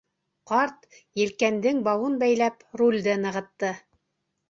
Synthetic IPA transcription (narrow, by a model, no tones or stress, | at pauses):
qɑɾt̪ | jɘ̆lkænd̪ɘŋbɑwɤnbæjlæpɾulʲd̪ɘnɤ̆ʁɤ̆t̪ːɤ